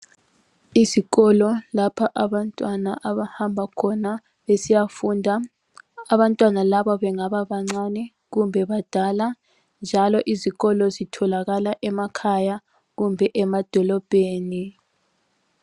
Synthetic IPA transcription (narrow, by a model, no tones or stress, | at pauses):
iziɣɔlɔlapʰaʔaβantʼwanaʔaβahambʱakʰɔna | βesijafundʱa | aβantʼwanalaβɔβɛŋaβaβaŋ͡ǀanɛ | ɣumbʱɛβad̥ʱala | nd͡ʒʱalɔʔiziɣɔlɔzitʰɔlaɣalaʔɛmakʰaja | ɣumbʱɛʔɛmad̥ʱɔlɔb̥ʱeːni